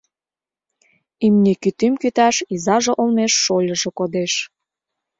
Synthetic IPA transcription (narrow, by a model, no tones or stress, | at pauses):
imnikyt̪ymkyt̪æʃizɑʒĕʔolneʃːolʲə̆ʒĕkod̪eʃ